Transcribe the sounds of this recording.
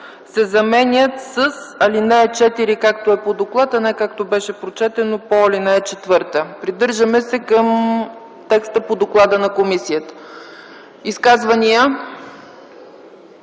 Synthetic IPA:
sɛzɐmɛnʲət̪səsɐlinɛːt͡ʃɛt̪iɾikak̚t̪oɛpod̪oklˠat̪ɐnɛkak̚t̪obɛʃɛpɾot͡ʃɛt̪ɛnopɔɔlinaɛt͡ʃɛt̪vɤɾt̪əpɾid̪ɤɾʒəmɛsɛkəm | t̪ɛkst̪əpod̪oklˠad̪ənɐkomisijət̪ə̥ | iskazvənijə

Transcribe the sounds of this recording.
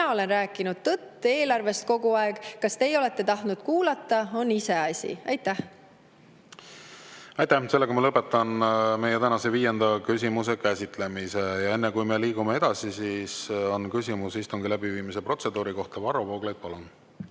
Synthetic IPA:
ɑo̞le̞nræːkːˑinud̪̥t̪ɤt̪ːe̞ːlɑrve̞st̪̚ko̞ɡuɑeɡ̥kɑst̪e̞jo̞le̞t̪ˑːe̞t̪ɑht̪nud̪̥kuːlɑt̪ːˑɑo̞nːise̞ɑsʲḭɑjt̪ːæh | ɑjt̪ːæhse̞lːeɡkɑmɑlɤpːˑet̪ːˑɑnme̞jet̪ænɑse̞viːje̞nd̪̥ɑkysʲimus̬e̞kæsʲit̪ˑle̞misejɑe̞nːekujme̞liːɡumee̞d̪̥ɑsisiso̞nkysʲimusist̪uŋɡ̥ilæbiviːmise̞pro̞t̪se̞d̪̥uːɾiko̞ht̪ɑvɑɾovoːɡlejd̪̥̚pɑlun

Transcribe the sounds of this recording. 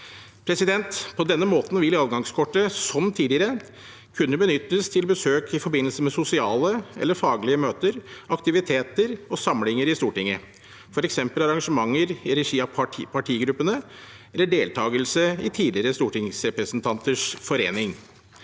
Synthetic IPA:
pʰɾɛsɪd̪ɛnt̪pʰɔd̪ɛnːəmoːt̪n̩ʋɪlɑːʋɡɑŋskʰɔʈːəsɔmt̪ʰiːd̪ɪəɾə | kʰʉnːəbənʏt̪ːəst̪ʰɪlbəsøːkʰɪfɔɾbɪnːəlsəmɛsʊsɪɑːləʔɛ̰lːəɾfɑːɡlɪəmøːt̪əɾɑkt̪ɪʋɪt̪ʰeːt̪əɾɔsɑmlɪŋəɾɪst̪uːʈɪŋːə | fɔɾɛksɛmpəlɑɾɑŋʂəmɑŋːəɾɪɾɛʂiːɑpʰɑʈʰiːɡɾʉpːənə | ɛlːəɖeːlt̪ʰɑːɡəlsəɪt̪ʰiːd̪ɪɾəst̪uːʈɪŋsɾɛpɾəsnt̪ʰɑnt̪ʰəʂfɔɾḛːnɪŋ

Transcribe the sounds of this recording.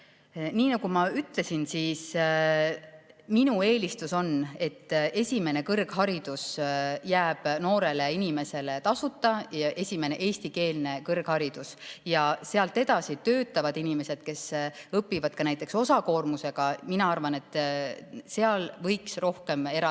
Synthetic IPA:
niːnɑɡ̥umɑyt̪le̞sinsiːs | minue̞ːlʲist̪uso̞ne̞t̪ːe̞sʲime̞ne̞kɤrɡ̥ɦɑɾid̪̥usjæːb̥no̞ːɾe̞le̞inime̞se̞le̞t̪ɑsut̪ːˑɑʔe̞sʲime̞ne̞ʔe̞ːsʲt̪ike̞ːlne̞kɤrɡ̥hɑɾid̪̥usjɑse̞ɑlt̪ːˑe̞d̪̥ɑsit̪ø̞ːt̪ːˑɑvɑd̪̥inime̞se̞d̪̥̚ke̞sɤpːivɑd̪̥̚kɑnæjt̪ːˑekso̞sɑko̞ːrmuse̞ɡ̥ɑminɑɑrvɑne̞t̪ːˑ | se̞ɑlvɤ̞jksro̞hke̞me̞ɾ

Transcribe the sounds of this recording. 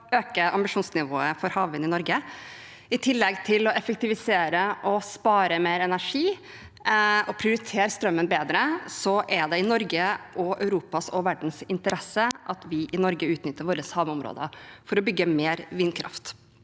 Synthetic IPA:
øːkəʔɑmbɪʂuːnsnɪʋoːəfɔɾhɑːʋənɪnɔɾɡə | ɪt̪ʰɪlːɛɡt̪ʰɪlɔɛfək̚t̪ɪʋɪseːɾəʔɔspɑːɾəmeːɾɛnæʂiː | ɔpʰɾɪʊɾɪt̪ʰeːɾst̪ɾœmːənbeːd̪ɾəsɔʔɛɖ̪ɛɪnɔɾɡəʔɔœ̰ʉɾuːpɑsɔʋæɖɳ̩sɪnt̪əɾɛsəʔɑt̪ʋɪʔɪnɔɾɡəʉːt̪nʏt̪ːəɾʋoːɾəshɑːʋəʊmɾo̰ːd̪ə̰fɔɾɔbʏɡːəmeːɾʋɪːnkʰɾɑ̰ft̪

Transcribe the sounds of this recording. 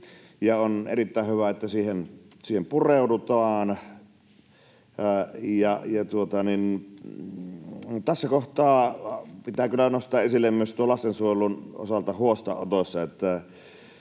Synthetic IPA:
jɑonḛrit̪ːæːˑehhyʋæet̪ːæsiːhen | siːhempureˑudut̪ɑːn | jɑjɑt̪uot̪ɑnin | t̪æsːækoht̪ˑɑːpit̪æːkylːˑænost̪ˑɑːʔʔesilːemmyøst̪uolɑst̪ensuojelˑuno̰sɑlt̪ɑhuost̪ɑ̰ʔʔo̰t̪osʲːɑet̪ːæ

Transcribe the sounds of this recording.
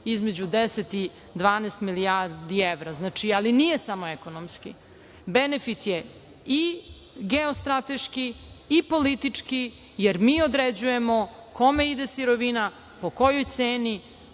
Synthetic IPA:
izme̞d͡ʑud̪eset̪i | d̪ʋaːneːst̪miliaɾd̪ieʋɾaznat͡ʃialinije̞samo̞ekonomskḭ | benefit̪je | i | ɡeost̪ɾat̪eʃkiːpo̞lit̪it͡ʂki | jeɾmiːod̪ɾed͡ʑuje̞mokʰo̞me̞id̪esiɾoʋina | po̞ko̞jojt̪seːni

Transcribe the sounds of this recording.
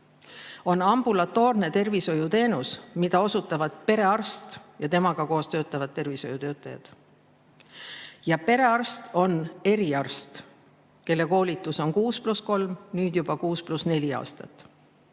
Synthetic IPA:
o̞nɑmb̥ulɑt̪ːˑo̞ːrne̞t̪e̞rviso̞jut̪e̞ːnusmid̪̥ɑo̞sut̪ːˑɑvɑd̪̥̚pe̞ɾe̞ɑrst̪jɑt̪e̞mɑɡ̥ɑko̞ːst̪ø̞ːt̪ːˑɑvɑd̪̥̚t̪ːe̞rviso̞jut̪ø̞ːt̪ːˑɑjɑ̰d̪̥ | jɑpe̞ɾe̞ɑrst̪o̞ne̞ɾiɑrst̪ | ke̞lːe̞ko̞ːlʲit̪ːˑuso̞nkuːsplusko̞lmnyːd̪̥jub̥ɑkuːsplusne̞lʲiɑ̰ːst̪ɑt̪ːˑ

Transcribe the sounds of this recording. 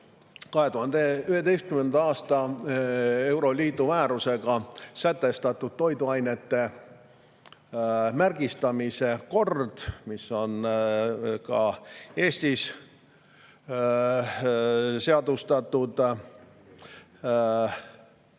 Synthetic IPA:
kɑɦe̞t̪uhɑnd̪eyhe̞t̪e̞jst̪̚kymend̪ɑɑːst̪ɑ | e̞wɾo̞liːt̪ˑumæːɾuse̞ɡ̥ɑsæt̪ːe̞st̪ɑt̪ːˑud̪̥̚t̪o̞jd̪uɑjne̞t̪ːe̞ | mærɡ̥ist̪ɑmise̞ko̞rd̪̥misːo̞n | kɑe̞ːst̪is | se̞ɑd̪ust̪ɑt̪ːˑud̪̥

